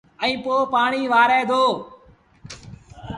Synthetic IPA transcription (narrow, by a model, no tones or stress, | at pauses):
ə̃ĩːpoːpaːɳiːʋaːɾɛːd̪ʱoː